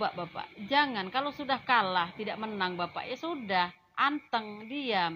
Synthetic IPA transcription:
baʔbapa̰ʔd͡ʒaŋankalosudahkalaht̪idaʔmənaŋbapa̰ʔjasudah | ʔant̪əŋdia

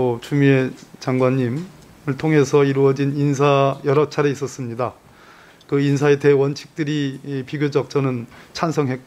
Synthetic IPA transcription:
ot͡ɕumie̞t͡ɕaŋɡwaɲːim | ɯɭtʰoŋɦe̞sʰʌiɾuʌd͡ʑinins̬ʰajʌɾʌt͡ɕʰaɾe̞is͈ʌs͈ɯmɲida | kɯinsʰae̞tewʌnt͡ɕʰi̥k̚t͈ɯɾipiɡjod͡ʑʌk̚t͡ɕ͈ʌnɯnt͡ɕʰansʰʌŋɦe̞k͈

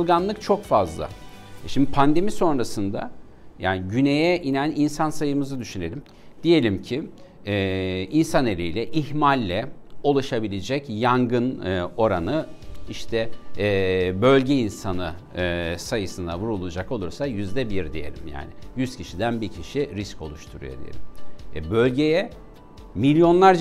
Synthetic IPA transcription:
lˠɡanlˠɯk̚t͡ʃʰo̞kfazlˠa̰ | ʃimd̪ipʰand̪e̞miso̞nɾasɯnd̪a̰ | jaːnɪɟyne̞jɛʔinæninsansajɯmɯzɯd̪yʃyne̞lʲim | d̪̥ije̞lʲimcʰi | ɛinsane̞lʲijlʲɛʔihmalʲːɛolˠaʃabilʲed͡ʒɛcjaŋɡɯno̞ɾanɯiʃt̪ʰɛ | bø̞lʲɟɛinsanɯ | sajɯsɯnd̪a̰vuɾulˠud͡ʒako̞lˠuɾsajyzd̪ɛbiɾd̪ije̞̰lʲḭmja̰ːnɪjyscʰiʃid̪ænbicʰiʃiɾisco̞̰lˠuʃt̪ʰuɾṵjod̪ḭjḛlʲimɛbølʲɟejɛ | milʲjo̞nlˠaɾd͡ʒ

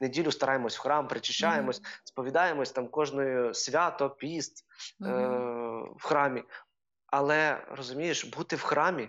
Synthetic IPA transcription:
nedʲilʲʊst̪ɐɾɑjemɔsʲwxɾɑmpɾɪt͡ʃɪʃt͡ʃːajemɔsʲspɔʋʲid̪ɑjemɔsʲt̪ɑmkɔʒnɔjʊsʲʋʲɑt̪ɔpʲist̪ | wxɾɑmʲi | ɐlˠɛrɔzʊmʲijeʃbut̪ɪwxɾɑmʲi

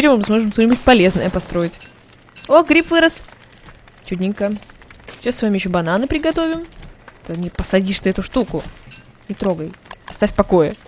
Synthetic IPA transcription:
pʲeɾʲɪmɨmɨsmo̞ʐɨmst̪onʲɪbɨt̚ʲpɐlʲe̞znə̰jəpɐst̪ɾo̞jɪtʲ | oɡɾʲipvɨɾəs | t͡ɕudʲnʲɪŋkə | ɕassvamʲɪjɪɕːobɐnanɨpɾʲɪɡɐt̪o̞vʲɪmt̪onʲɪpəsɐdʲiʂt̪ɨɛt̪ʊʂt̪ukʊ | nʲɪt̪ɾo̞ɡəjɐst̪afʲpɐko̞jɪ

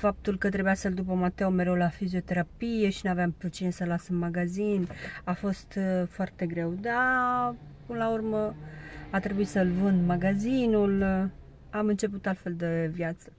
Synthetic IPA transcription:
fap̚t̪ulkət̪ɾe̞bujasəld̪up̬əmat̪eome̞ɾe̞wlafizio̞t̪e̞ɾapije̞ʃinuaveampɾut̪t͡ʃinesəlasəmːaɡazinafo̞st̪foart̪e̞ɡɾe̞wd̪a | pɨnəlaurməat̪ɾe̞buisəlvɨnd̪maɡazinul | amɨnt͡ʃe̞p̬ut̪alt̪fe̞ld̪evjat̪sə̥

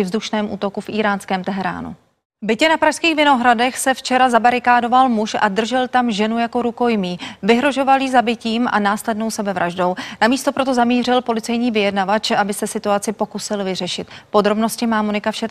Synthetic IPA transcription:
ɪvzduʃnɛːmʔṵːt̪o̞kufʔiːɾaːnskɛːmt̪ɛɦɛɾa̰ːnṵ | bɪcɛnapɾaʃskiːxvɪno̞ɦɾadɛxsɛft͡ʃɛɾazabaɾɪkaːdo̞valmuʃʔa̰dr̩ʒɛlt̪amʒɛnujako̞ɾuko̞jmiːvɪɦɾo̞ʒo̞valiːzabɪciːmʔa̰naːslɛdno̞wsɛbɛvɾʔaʒdo̞wnamiːst̪o̞pɾo̞t̪o̞zamiːr̝ɪlpo̞lɪt͡sɛjɲiːvɪjɛdnavat͡ʃʔabɪsɛsɪt̪uat͡sɪpo̞kusɪlvɪr̝ɛʃɪt̪po̞d̪ɾo̞bno̞scɪmaːmonɪkafʃɛ

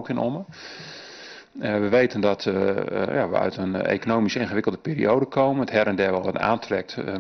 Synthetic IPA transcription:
kɪnomə | ʋəʋejtəndɔtja̰ʋə̰œ̰ɥtənḛːkonowmisɪːnχəʋɪkəlˠdəpiːrḭowdəkʰoːmənəthɛɾəndɛːʋɔlˠʋɔta̰ːntrɛk̚t

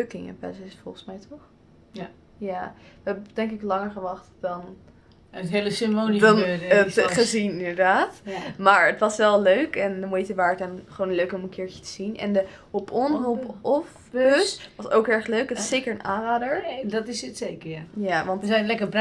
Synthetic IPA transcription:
økɪŋə̰pɛ̰sɛsfɔlˠχəsmɛjtɔχ | jaːʋəɛbd̥ɛŋkɪklɑŋəɹχəʋɑχtd̥ɑn | ətɦejləsɪmonidnətχəzinɪndəɹdaːtmaːɹətʋɑsʋɛlˠløɥkɛndɔnʋejtəʋaːɹətɛnχəʋownənløɥkəɔmənkɪːɹcə̥tə̥z̥inɛ̰ndə | opɔnɦolˠpɔf | sʋɑso̰wkɛɹχløɥkətɑsejkəɹənʔa̰ːnraːdəɹdɑtɪsətsejkəjajaːʋɑntɛjnlɛkəb

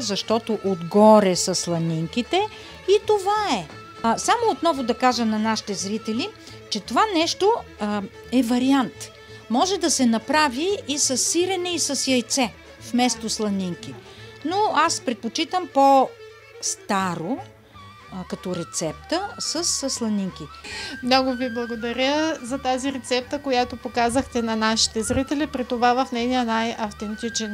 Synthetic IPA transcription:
zɐʃt̪ɔt̪oʔod̪ɡɔɾɛsɐslˠɐniŋkit̪ɛ | it̪ovaɛ | samoːt̪nɔvʊd̪ɐkaʒənɐnaʃi̥t̪ɛzɾit̪ɛli | t͡ʃɛt̪ovanɛʃt̪o | ɛvɐɾiant̪ | mɔʒɛd̪ɐsɛnɐpɾaviːsɐsːiɾɛnɛisɐsjɐjt̪sɛ | fmɛst̪oslˠɐniŋk̟i | noaspɾɛt̪̚pot͡ʃit̪əmpo | st̪aɾo | kɐt̪ɔɾɛt̪sɛpt̪əsəsslˠɐniŋk̟imnɔɡʊviblˠɐɡod̪ɐɾʲəzɐt̪aziɾɛt̪sɛp̚t̪əkojat̪opokazəxt̪ɛnɐnaʃi̥t̪ɛzɾit̪ɛlipɾit̪ovavɐfnɛnijənajɐft̪ɛnt̪it͡ʃɛn

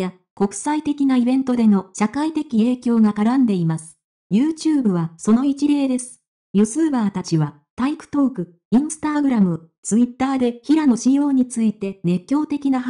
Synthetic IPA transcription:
ja | ko̞kɯ̟̥sait̪e̞kʲinaibẽ̞nt̪o̞d̪e̞no̞ɕakait̪e̞kʲie̞ːkʲo̞ːɡakaɾãnd̪e̞imasɨ̥ | jɯ̟ːt͡ɕɨːbɯ̟βaso̞no̞it͡ɕiɾe̞ːd̪e̞sɨ̥ | jɯsɨːbaːt̪at͡ɕiβa | t̪aikɯ̟̥t̪o̞ːkɯ̟ | ĩɰ̃sɨ̥t̪aɡɯ̟ɾamɯ̟t͡sɨit̪ːaːd̪e̞çiɾano̞ɕijo̞ːɲ̟it͡sɨit̪e̞ne̞kʲːo̞ːt̪e̞kʲinaɦ

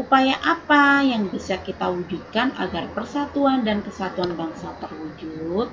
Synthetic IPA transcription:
ʔupajaʔapajaŋbisakit̪awud͡ʒut̪̚kana̰ɡarpərsat̪uandankəsat̪uanbaŋsat̪ərwud͡ʒut̪̚

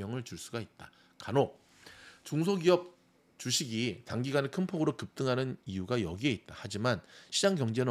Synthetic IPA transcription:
ʌŋɯɭt͡ɕuɭs͈uɡait̚t͈a | kano | t͡ɕoŋs̬ʰoɡiʌp̚ | t͡ɕuɕʰiɡitaŋɡiɡanɯɭkʰɯnpʰoɡɯɾokɯp̚t͈ɯŋɦanɯniuɡajʌɡie̞it̚t͈ahad͡ʑimanɕʰid͡ʑaŋkjʌŋd͡ʑe̞nɯ

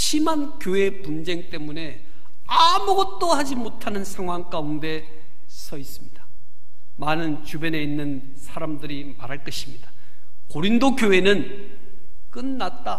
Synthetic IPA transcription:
ɕʰimankjoe̞pund͡ʑe̞ŋt͈e̞mune̞ | amuɡʌt̚t͈ohad͡ʑimotʰanɯnsʰaŋwaŋk͈aunde̞ | sʰʌis͈ɯmɲid̥ḁ | manɯnt͡ɕubʌne̞inːɯn | sʰaɾamdɯɾi | maɾɦaɭk͈ʌɕʰi̥mɲid̥ḁ | koɾindokjoɦe̞nɯn | k͈ɯnːat̚t͈a

